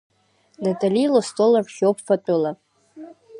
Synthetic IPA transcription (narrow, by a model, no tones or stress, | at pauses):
datʼalilostʼolarʃowpʰfatʷʼɨla